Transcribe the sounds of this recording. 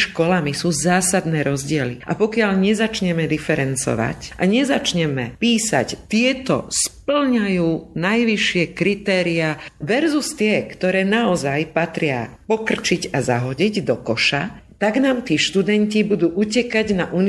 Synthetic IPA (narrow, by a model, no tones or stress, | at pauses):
ʃkɔlamisuːzaːsad̪nɛːɾɔzɟɪɛlḭʔa̰pɔkɪaʎɲɛzat͡ʃɲɛmɛd̪ifɛɾɛnt͡sɔ̰ʋa̰cʔaɲɛzat͡ʃɲɛmɛ̰piːsa̰ct̪ɪɛt̪ɔ̰spl̩ɲajuːnajʋiʃɪɛkɾit̪ɛːɾiaʋɛɾzust̪ɪɛkt̪ɔɾɛːnaɔzajpat̪ɾɪa̰pɔkr̩t͡ʃiɟazaɦɔɟiɟd̪ɔkɔʃat̪aɡnaːmt̪iːʃt̪ud̪ɛncibud̪uːʔucɛkaɟnaʔun